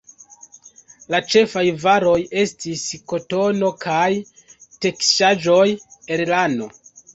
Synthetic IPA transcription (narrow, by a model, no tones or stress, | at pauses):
lat͡ʃe̞fajvaɾo̞je̞stisko̞to̞no̞kaj | te̞kʃaʒo̞jeɾlando̞